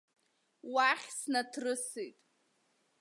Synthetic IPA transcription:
waχʲsnatʰrɨsijtʼ

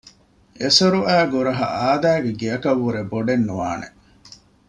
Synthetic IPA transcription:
esɐɾuʔæːɡuɾɐɦɐ̰ʔaːd̪æːɡeɡiɐkɐʋːuɾeboɖenːuʋa̰ːnḛ

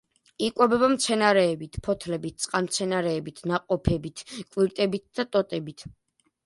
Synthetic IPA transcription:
ikʼwɔbɛbamt̪sʰɛnaɾɛːbit̪ʰpʰɔt̪ʰlɛbit̪̚t̪sʼqʼanmt̪sʰɛnaɾɛːbit̪ʰnaqʼɔpʰɛbit̪ʰkʼwiɾt̪ʼɛbit̪̚d̪at̪ʼɔt̪ʼɛbit̪ʰ

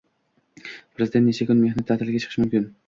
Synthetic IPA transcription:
pʰɾɨzid̪ent̪ːeʃʰekʲynmehnɛt̪ʰːæːt̪ʰɪlɪɡʲɛt͡ʃʰə̥ʃmymkʲyn

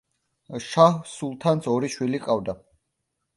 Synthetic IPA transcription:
ʃahsulˠt̪ʰansʰɔɾiʃwiliqʼavd̪a

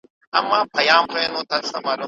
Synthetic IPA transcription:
a̰mapʰajapʰaanɔt̪ʰasamalɔ

